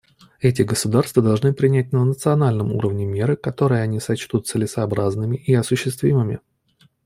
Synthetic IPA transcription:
ɛt̬ʲɪɡəsʊd̪arst̪vəd̪ɐlˠʐnɨpɾʲɪnʲæt̚ʲnənət̪sɨɐnalʲnəmṵɾəvnʲɪmʲe̞ɾəkɐt̪o̞ɾɨjəɐnʲisɐt͡ɕt̪ut̪t̪sɨlʲɪsɐːbɾaznɨmʲɪʔiɐsʊɕːɪst̪vʲimɨmʲɪ̰

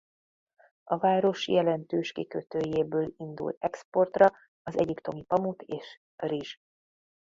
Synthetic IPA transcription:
ɒvaːɾo̞ʃjɛlɛnt̪øːʃkikøt̪øːjeːbøːlind̪ṵlt̪ɛkspo̞rt̪rɒ | ɒzɛ̰ɟipt̪o̞mipɒmut̪ʰeːʃ | riʒ

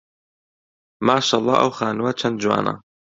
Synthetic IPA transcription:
maːʃaːlˤːˠɑ̰ːʔɐ̰wxaːnwɐt͡ʃʰɐnd̪̚d͡ʒwa̰ːnɐ̰

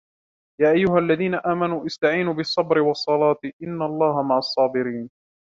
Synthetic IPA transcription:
jaːʔajːʊɦalːaðiːnaʔaːmanuːʔɪst̪aʕiːnuːbɨsˤːɑbɾɪwɑsˤːɑlɑːt̪ʔɪnːalˤːɑːɦamaʕɑsˤːɑːbɪɾiːn

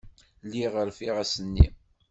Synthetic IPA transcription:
liʁəɾfiʁæsənːḭ

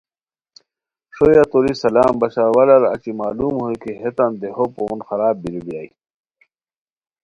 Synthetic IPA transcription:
ʂojat̪oɾisɐlaːmbɐɕaɾwɐlɐɾɐ̰t͡ɕimaːluːmhojkiɦet̪and̪eɦopoːnxɐɾaːb̚biɾubijaːi

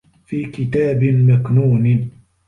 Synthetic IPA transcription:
fiːkɪt̪aːbɪmaknuːn

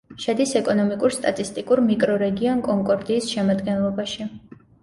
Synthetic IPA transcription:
ʃɛd̪isɛkʼɔnɔmikʼuɾst̪ʼat̪ʼist̪ʼikʼuɾmikʼɾɔɾɛɡiɔnkʼɔŋkʼɔɾd̪iːsʃɛmad̪ɡɛnlˠɔbaʃi

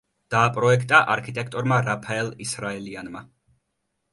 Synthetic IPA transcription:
d̪̥aːpʼɾɔɛkʰt̪ʼaʔaɾkʰit̪ʼɛk̚ʰt̪ʼɔɾmaɾapʰaɛlˠisɾaɛlianma

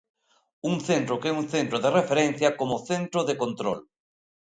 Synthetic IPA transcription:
uŋθent̪ɾʊkɛuŋθent̪ɾʊðɪrefeɾen̟θjɐkomoθent̪ɾʊðekont̪ɾo̰l

